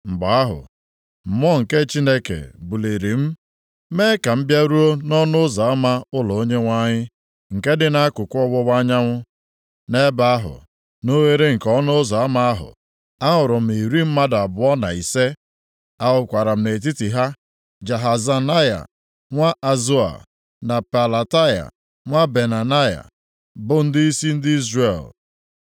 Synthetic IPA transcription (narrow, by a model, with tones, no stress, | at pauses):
m̩˨ɡ͡ba˨a˦ɦʊ̰˨ | m̩˨m˦ɔ˦ŋ̩˨ke˦t͡ʃi˦ne˦kḛ˨bu˨li˨ɾi˨m̩˦ | me˦ka˨m̩˦bja˦ɾu˦o˦nɔ˦nʊ˦za˨a˦ma˦ʊ˦lɔ˨o˦ɲe˦ŋʷa˦ɲɪ˦ | ŋ̩˨ke˦dɪ˨na˦kʊ˨kʷɔ˦wɔ˦wa˦ɲa˦ŋʷʊ˦ | ne˦ba˦a˦ɦʊ̰˨ | no˦we˦ɾe˦ŋ̩˨kɔ˦nʊ˦za˨a˦ma˦a˦ɦʊ̰˨ | a˦ɦʊ˨ɾʊ˨m̩˨i˨ɾi˦m̩˦ma˦da˨bʊ˨ɔ˦na̰˨i˨se˦ | a˦ʊ˨kʷa˨ɾa˨m̩˨ne˨t̬i˦ti˨ɦa˦ | d͡ʒa˨ɦa˨za˨na˦ja̰˨ | ŋʷa˦ʔa˨zu˦a̰˨ | na˨pa˨la˨ta˦ja̰˨ | ŋʷa˦be˨na˨na˦ja̰˨ | bʊ˦n̩˦dɪ˦i˦si˦n̩˦dɪ˦i˦zre˨l